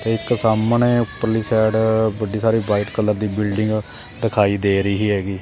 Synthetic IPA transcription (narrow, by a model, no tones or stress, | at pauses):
t̪eːɪksaːmneːpəɾliːsɛːɖbəɖiːsaːɾiːbaːɪʈkəlːəɾd̪iːbɪlɖɪŋɡ | d̪ɪkʰaːiːd̪eːɾəiːɦiːɦɛːɡiː